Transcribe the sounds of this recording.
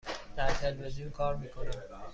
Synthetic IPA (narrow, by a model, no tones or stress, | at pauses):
d̪̥æɾt̪ʰelveziunkʰɒːɾmiːkʰo̞næn